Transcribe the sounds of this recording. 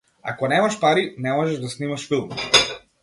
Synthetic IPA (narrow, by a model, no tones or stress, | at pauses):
a̰kɔnɛmaʃpaɾinɛmɔʒɛʒd̪asnimaʃfilˠm